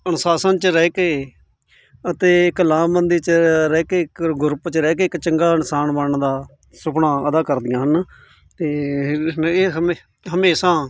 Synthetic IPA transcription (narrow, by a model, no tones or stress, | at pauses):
ənsaːsənt͡ʃəɾɛːkeː | ət̪eːɪklaːmbənd̪iːt͡ʃəɾɛːkeːkɡʊɾpt͡ʃəɾɛːk̬eːɪkt͡ʃəŋɡaːɪnɪsaːnbəɳd̪aː | sʊpɳãːəd̪aːkəɾd̪ɪjãːɦən | t̪eː | eːɦe | ɦəmeːsãː